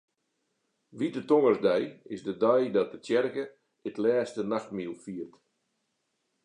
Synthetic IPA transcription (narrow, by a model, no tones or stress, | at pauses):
ʋidətoŋərzdɛjɪsdədœjdɔt̚dətjɛrkə | ɪtlɛːstənaxtmilˠfiərt